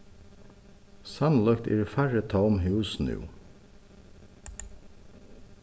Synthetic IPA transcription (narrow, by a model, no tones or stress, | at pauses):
sɑnlœkt̪ḛːɾfæɹət̪ʰɑʊmhʉːsnʉ̰ː